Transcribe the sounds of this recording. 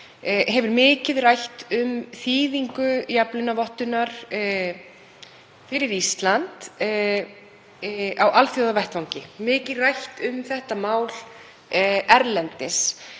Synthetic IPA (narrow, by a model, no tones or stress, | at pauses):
hɛvʏɾmɪːcɪðrajht̪ʏmθiːðiŋkʏjaplʏnːavɔht̪ʏnaɾ̥ | fɪɾɪɾist̪lant̪ | awʔalθjɔwðavɛht̪vawŋcɪmɪːcɪðrajht̪ʏmθɛht̪amaːwl | ɛɾlɛnt̪ɪs